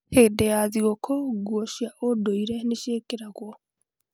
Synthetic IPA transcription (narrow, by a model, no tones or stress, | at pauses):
heːdejaðiɣokʰɔɡwoʃiaʔodoiɾeneʃeːkeɾaɣwo